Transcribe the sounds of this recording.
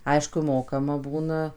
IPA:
ˈɐɪʃkʊ ˈmoːkɐmɐ ˈbuːnɐ

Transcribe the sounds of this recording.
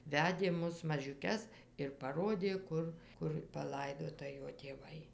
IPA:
ˈʋʲæːdʲeː ˈmʊs mɐʒʲʊˈkʲɛs ɪr pɐˈroːdʲeː ˈkʊr ˈkʊr pɐˈlˠɐɪdoːtɐ ˈjoː tʲeːˈʋɐɪ

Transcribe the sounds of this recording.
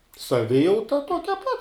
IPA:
sɐˈʋʲɪjɛʊtɐ ˈtuɔkʲɛ pɐt

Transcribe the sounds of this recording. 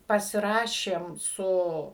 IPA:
pɐsʲɪˈrɑːʃʲeːm ˈsʊ

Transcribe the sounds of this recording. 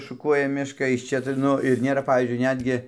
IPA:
ʃʊˈkuɔjɛ ˈmʲɪʃkɐ ɪʃ ˈt͡ʃʲɛ tɐɪ ˈnʊ ɪr ˈnʲeːrɐ ˈpɑːʋʲiːzʲd͡ʒʲʊɪ ˈnʲæːdʲɡʲɪ

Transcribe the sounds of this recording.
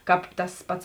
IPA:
ˈkɑːp tɐs ˈpɐts

